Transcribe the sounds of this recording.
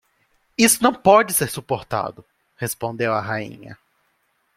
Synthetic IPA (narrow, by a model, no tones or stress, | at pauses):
isʊnɐ̃w̃pɔd͡ʒɪseɾsupoɾt̪a̰d̪ʊ | hespõnd̪ewɐɦaḭ̃ɲɐ̰